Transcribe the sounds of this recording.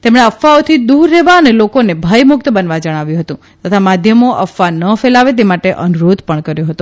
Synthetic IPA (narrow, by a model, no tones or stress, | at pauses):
t̪emɳeəfːaot̪ʰid̪uɾːeʋaənelokonebʱajmʊk̚t̪bənʋad͡ʒəɽ̃aʋjũɦət̪ũ | t̪ət̪ʰamad̪ʱjəmoʔəfːanəfelaʋet̪̬emaʈeʔənuɾod̪ʱpəɳkəɾjoɦət̪ũ